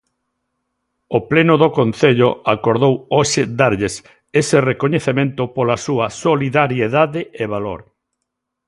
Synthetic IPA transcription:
oplenoðokon̟θeʎo̰akoɾðowoʃed̪aɾʎes | esɪrekoɲeθemẽnt̪ʊpolasuɐsoliðaɾjeðaðɪeβ̞alo̰ɾ

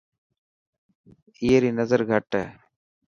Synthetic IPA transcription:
iːeɾiːnəzəɾɡʱəʈə̰

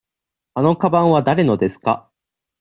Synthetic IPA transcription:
ano̞kabãɰ̃βad̪aɾe̞no̞d̪e̞sɨ̥ka̰

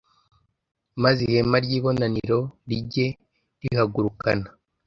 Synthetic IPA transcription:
mazihemaɾɟiːβo̞naniɾo̞ɾiɟe̞ | ɾihaɡuɾukana

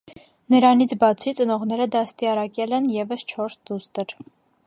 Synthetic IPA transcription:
nəɾɑnit͡sʰbɑt͡sʰit͡sənɔʁnɛɾəd̪ɑst̪iɑɾɑkʲɛlɛnjɛvəst͡ʃʰɔɾsd̪ust̪əɾ

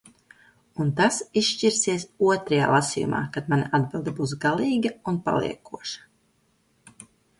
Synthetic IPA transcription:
unt̪asisʃt͡ʃiɾsiɛsuɔt̪ɾaja̰ːlˠasiːjṵmʔa̰ːkad̪manʲaʔad̪bilˠd̪ibuːs̬ɡalˠiːɡɐunpa̰lˠḭɛkuɔʃḁ

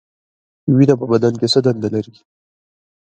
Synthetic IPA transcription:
winapəbad̪ankesəd̪and̪alaɾi

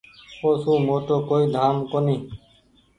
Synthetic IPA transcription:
oːsũːmoːt̪oːkoːiːd̪ʱaːmkoniː

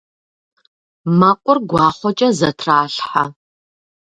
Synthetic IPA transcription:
mɐqʷʼʊrɡʷɑːχʷɔt͡ʃʼɐzɐtʰraːɬħa

